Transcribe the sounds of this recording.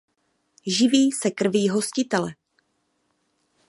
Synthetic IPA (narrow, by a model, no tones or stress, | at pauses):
ʒɪviːsɛkr̩viːɦo̞scɪt̪ɛlɛ